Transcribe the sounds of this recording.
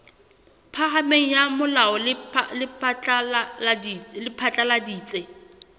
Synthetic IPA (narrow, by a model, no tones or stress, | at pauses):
pʰaχameŋ̩jamʊlaɔlɪlɪpat͡ɬʼaadlɪpʰat͡ɬʼaladiːt͡sʼe